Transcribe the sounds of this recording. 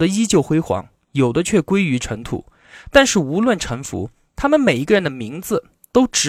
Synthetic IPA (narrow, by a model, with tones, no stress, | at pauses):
d̪ə˦i˥t͡ɕjo˥˩ʊxwe˥ɪxwɑ̰˧˥ŋ | jo˨˩ʊd̪ə˦t͡ɕʰɥɛ˥˩kwe˥ɪy˧˥ʈ͡ʂʰə˧˥ŋt̪ʰṵ˨˩˦ | t̪a˥˧nʂɻ̩˥˩u˧˥lwə˥˩nʈ͡ʂʰɤ˧˥ŋfṵ˧˥ | t̪ʰa˥mə˨nme˨˩i˧˥ɡə˧ɻə˧˥nd̪ə˧mi˧˥ŋd͡zɹ̩˧ | t̪o˥ʊʈ͡ʂɻ̩˧˥